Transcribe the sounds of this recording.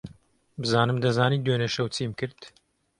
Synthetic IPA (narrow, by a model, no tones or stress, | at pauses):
bɨzaːnɨmd̪ɐzaːniːd̪weːnɐʃɐwt͡siːmkɨɾd̪̥